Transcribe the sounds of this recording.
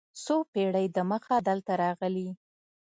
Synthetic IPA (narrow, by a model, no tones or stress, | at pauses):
sopeɽəjd̪əməxad̪əlt̪aɾɑɣəli